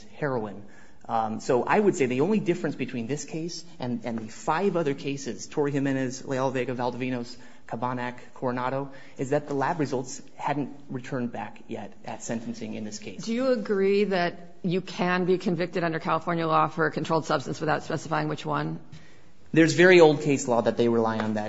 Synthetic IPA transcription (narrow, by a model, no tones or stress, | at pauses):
hɛɹoʊɪ̃n | soʊʔa̰ɪwɨd̥seɪðiõʊ̃nlidɪfɹɨ̃nsb̥ɨtʰw̥ĩnðɪskʰeɪs | ʔɨ̃nɨ̃nðɨfaɪvʌðə˞kʰeɪsɨz̥tʰɔɹiɨ̃mɨ̃nɨzlḛɪɑlˠveɪɡɨvælˠdəvĩñoʊs | kʰəbɑnækʰːɔɹnɑɾoʊ | ɨzðɨt̪̚ðəlæbɹɨzʌlˠts | hædⁿn̩t | ɹɨtʰɜ̃˞nbækjɛ̰ɾʔɨ̰tsɛ̃ntn̩sɪ̃ŋɨ̰̃nðɪskʰeɪdsɨjɨːɡɹiðɨt͡ʃ | ɨkʰɨ̃nbikʰɨ̃ɱvɪk̚tɨɾʌ̃ndə˞kʰælˠəfɔɹnjəlɔfə˞kʰntʰoʊlˠd̥sʌb̥stɨ̃nswɨθaʊtspɛsɨ̥faɪɪ̃ŋwɨt͡ʃwʌ̃n | ðə˞zvɛɹioʊlˠd̚kʰeɪslɔðɨt̪̚ðeɪɹɨlaɪə̃nðæ